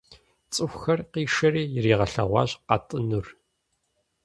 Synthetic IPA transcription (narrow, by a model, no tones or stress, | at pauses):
t͡sʼɨxʷxɐrqiːʂɐɾiːjɪriːʁɐɬɐ̰ʁʷɑ̰ːʑqɑtʼɨnur